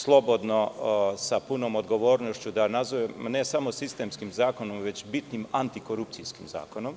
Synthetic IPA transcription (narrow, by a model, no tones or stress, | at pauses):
slˠo̞bod̪nosapunoːmod̪ɡo̞ʋo̞ːɾnoʃt͡ɕud̪anazoʋemne̞samosist̪e̞mskimzaːko̞nomʋe̞t͡ʃbit̪nimant̪iko̞ɾup̚t̪siskimza̰ːkonom